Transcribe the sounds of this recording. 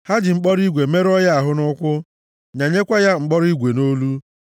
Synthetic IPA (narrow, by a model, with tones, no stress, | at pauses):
ha˦dɪ˨ŋ͡m̩˦k͡pɔ˦ɾi˦ɡʷe˨me˦ɾɔ˦ja˦a˨ɦʊ˦nʊ˦kʷʊ˦ | ɲa˨ɲe˦kʷa˦ja˦ŋ͡m̩˨k͡pɔ˦ɾi˦ɡʷe˨no˦lu˦